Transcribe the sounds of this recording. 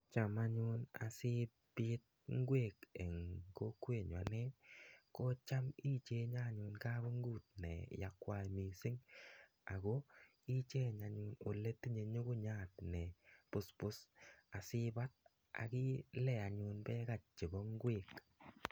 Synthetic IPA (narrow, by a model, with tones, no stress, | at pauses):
t͡ʃa˨ma˦ɲʊ˦na̰˨sɪ˦ | bɪ˦t̪̚ŋ˦ɡwe˦˨kɛ˨ŋko˦kwe˦˨ɲwa˨nɛ˦kɔ˦t͡ʃa˦mi˦t͡ʃe˦ɲa˦˨ɲʊ˨nka˦bɔ˦ŋɡu˦˨t̪̚nɛ̰˨ja˨kwa˨mi˨sɪ˦ŋ | a˨ɡo˦ | i˦t͡ʃe˦ɲa˨ɲʊ˨˧no˨le˦ti˦ɲe˨ɲʊ˦ɡʊ˦ɲa˦˨tnɛ˨pʊ˦spʊ˦sa˨sɪ˦ba˦t̪̚ | a̰˨kɪ˦lɛ˨a˨ɲʊ˨nbɛ˦ka˨t͡ʃɪ˨bɔ˦ŋ˦ɡwe˦˨k